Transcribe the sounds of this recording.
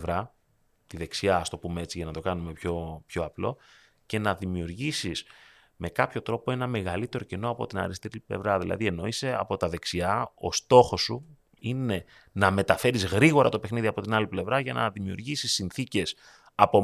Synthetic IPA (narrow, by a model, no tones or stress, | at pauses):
vɾɐ | t̪iðe̞ksiɐːst̪o̞pumee̞t͡siʝɐnɐt̪o̞kɐnume̞pço̞pço̞ɐplo̞ | ce̞nɐðimiuɾʝisis | me̞kɐpço̞t̪ɾo̞po̞e̞nɐme̞ɣɐlit̪e̞ɾo̞ceno̞ɐpo̞̰t̪inɐ̰ɾist̪eɾiplḛvɾɐðilʔɐ̰ðie̞no̞ise̞ɐ̰po̞t̪ɐðe̞ksiɐo̞̰st̪o̞xo̞sːu | ine̞ | nɐme̞t̪ɐfe̞ɾizɣɾiɣo̞ɾɐt̪o̞pe̞xniðiɐpo̞t̪inɐliple̞vɾɐʝɐnɐ̰ðimiṵɾʝisisːinθice̞s | ɐpo